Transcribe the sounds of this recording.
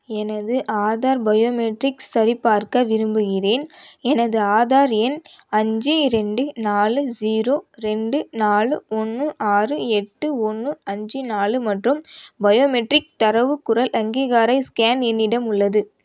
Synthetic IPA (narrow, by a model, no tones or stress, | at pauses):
ɛnɐðɯʔaːðaːɾbɐjoːmɛʈrɪksɐɾɪpːaːɾkɐʋɪɾɯmbɯɣɪreːnɛnɐðɯaːðaːɾɛn | ɐɲd͡ʒiɾɛɳɖɯnaːlɯd͡ʒiːɾoːɾɛɳɖɯnaːɭɯɔnːɯʔaːrɯɛʈːɯɔnːɯɐɲd͡ʒinaːlɯmɐʈrɯmbɐjoːmɛʈrɪk̚t̪ɐɾɐʋɯkːʊɾɐlʔɐŋɡiːɣaːɾɐɪskaːnɛnːɪɽɐmʊɭːɐðɯ